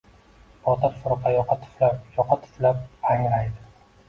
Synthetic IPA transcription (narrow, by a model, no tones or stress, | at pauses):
pʰɒt̪ʰaɾfʊɾqʰɑjɒqʰɑt̪ʰɪ̥flajɒqʰɑt̪ʰɪ̥flap̚ʰaŋlajd̪ɪ